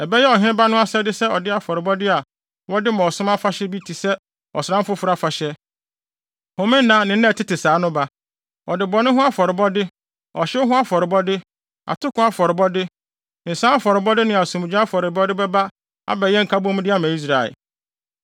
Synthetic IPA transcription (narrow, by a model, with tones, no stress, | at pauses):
ɛ˨bɛ˦jɛ˦ɔ˨ɦɪ̃˦ɪ̃˦ba˦nʊ̃˦a˦sɛ˦dɪ˦sɛ˦ɔ˨dɪ˦a˨fɔ˨ɾɪ˨bɔ˦dɪ˦a˨ | wɔ˦dɪ˦mã˨ɔ˨sʊ̃˦ma˦fa˦ɕɛ˦bi˦tʰi˨sɛ˦ | ɔ̰˨sɾã˦m˦fʊ˦fʊ˦ɾa˦fa˨ɕɛ˦ | hʊ̃˨mɪ̃˦n˦nã˦nɪ̃˨n̩˦nɛ̃˦˨tʰɪ˦tɪ˨saː˨˦nʊ̃˦ba˦ | ɔ˨dɪ˨bɔ˨˦nʊ̃˦ɦʊ̃˦a˦fɔ˨ɾɪ˨bɔ˦dɪ˦ | ɔ˨ɕɪ˦ɦʊ̃˦a˦fɔ˨ɾɪ˨bɔ˦dɪ˦ | a̰˨tʰʊ˦kʰʊ̃˦a˦fɔ˨ɾɪ˨bɔ˦dɪ˦˨ | n̩˨sãː˦a˦fɔ˨ɾɪ˨bɔ˦dɪ˦nɪ̃˨a˨sũ˨m˨d͡ʑᶣã˦a˦fɔ˨ɾɪ˨bɔ˦dɪ˦bɛ˦ba˦ | a̰˦bɛ˨jɛ˦ŋ̩˨kʰa˦bɔ̃˦m̃˦dɪ˦a˨mã˨i˦s̬ɾa˨ɪ̰˨